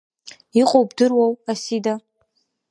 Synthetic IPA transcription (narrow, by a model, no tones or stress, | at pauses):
iqʼowbdɨrwawasida